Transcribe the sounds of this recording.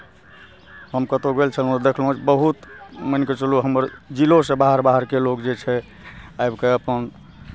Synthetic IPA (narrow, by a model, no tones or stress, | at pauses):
ɦəmkət̪oɡelt͡ʃʰəlɦũd̪ekʰlɦũt͡ʃbəɦut̪mənket͡ʃəluɦəməɾd͡ʒilosẽbaɦəɾbaɦəɾkelokd͡ʒet͡ʃʰɛ | ajbkeəpən